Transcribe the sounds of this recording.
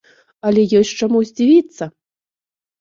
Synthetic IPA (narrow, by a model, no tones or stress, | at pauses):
ɐlʲɛjɔsʲt͡ʂamuzʲd͡zʲivʲit̪sːɐ